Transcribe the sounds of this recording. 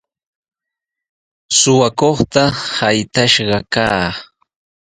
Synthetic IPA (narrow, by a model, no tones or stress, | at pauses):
sʊwakoχt̪ahajt̪aʃɢɑkaː